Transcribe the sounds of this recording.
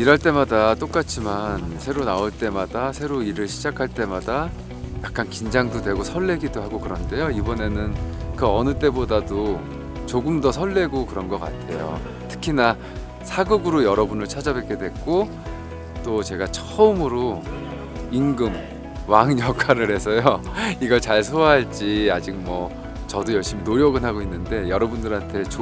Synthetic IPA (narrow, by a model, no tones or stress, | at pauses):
iɾaɭt͈e̞madat͈ok͈at͡ɕʰimansʰe̞ɾonaoɭt͈e̞madasʰe̞ɾoiɾɯɭɕʰid͡ʑakʰaɭt͈e̞mada | jak̚k͈ankind͡ʑaŋdodwe̞ɡosʰʌɭːe̞ɡidoɦhaɡokɯɾʌnde̞joibʌne̞nɯnkɯʌnɯt͈e̞bodado | t͡ɕoɡɯmdʌsʰʌɭːe̞ɡokɯɾʌnɡʌk͈a̰tʰe̞̰jo̰ | tʰɯ̥kʰina | sʰaɡɯɡɯɾojʌɾʌbunɯɭt͡ɕʰad͡ʑabek͈e̞dwe̞kk͈o | t͈ot͡ɕe̞ɡat͡ɕʰʌɯmɯɾo | inɡɯm | waŋɲjʌkʰaɾɯɭhe̞sʰʌjoiɡʌɭt͡ɕaɭsʰoaɦaɭt͡ɕ͈iad͡ʑik̚mwʌ | t͡ɕʌdojʌɭɕ͈iminoɾjʌɡɯnɦaɡoinːɯnde̞jʌɾʌbundɯɾantʰe̞t͡ɕo